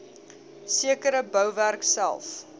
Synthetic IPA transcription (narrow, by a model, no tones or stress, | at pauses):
siəkəɾəbəwværksæ̰lˠf